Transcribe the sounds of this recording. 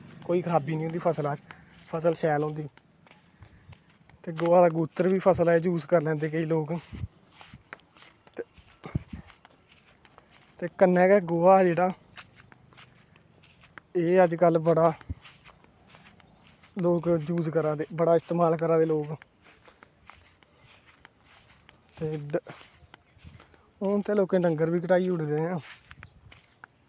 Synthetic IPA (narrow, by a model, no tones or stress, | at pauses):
koːiːkʰəɾaːbiːnĩɦoːnd̪iːpʰəslaːt͡ʃ | pʰəsəlʃɛːlɦõːnd̪iː | t̪eːɡoːaːd̪aːɡuːt̪ːəɾbiːpʰəsəleːd͡ʒuːzkəɾlɛ̃ːnd̪eːkəiːloːk | t̪eːkənːɛ̃ːkɛːɡoːaːd͡ʒeːɽaː | eːəd͡ʒkəlbəɽaː | loːkd͡ʒuːzkəɾaːd̪eːbəɽaːɪst̪eːmaːlkəɾaːd̪eːloːk | t̪eː | t̪eːloːkẽːɖəŋɡəɾbiːkəʈaːiːʊɽd̪eːɦãː